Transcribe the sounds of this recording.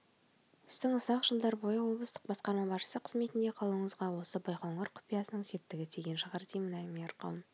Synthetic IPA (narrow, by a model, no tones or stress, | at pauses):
ʊst̪ɪɴʊsɑqʒəlˠd̪ɑɾbo̞jəwo̞blˠəst̪əq̚bɑsqɑɾmɑbɑʃə̥səqʰəzme̞t̪ɪnd̪e̞qʰɑlˠuəɴəzʁɑwo̞səbɑjqoɴoɾqʰʊ̥pijɑsənəɴse̞p̚t̪ɪɡʲɪt̪ʰeɡʲe̞nʃəʁɑɾd̪ʰejmɪnɑjmijɑɾqɑ̰wˠəm